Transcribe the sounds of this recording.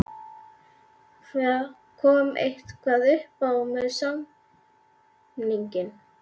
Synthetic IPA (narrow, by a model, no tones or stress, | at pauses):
kɛ | kʰɔːmḛjht̪kʰvaðʏhpawmɛðsa | niɲcɪn